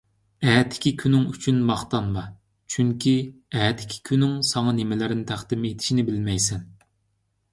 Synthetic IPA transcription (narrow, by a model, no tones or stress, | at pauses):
ɛːt̪ʰːɪ̥kʲikʲʰynɪŋyt͡ʃʰynmɑχt̪ɑnmɑ | t͡ʃʰyŋkʲʰiɛt̪ʰːɪ̥kʲʰi̥kʲʰynɪŋsɑŋɑnɪmɪlɪɾɪnɪt̪ʰæχd̪ɪmet̪ʰɪ̥ʃinɪbɪlmɛjsɛn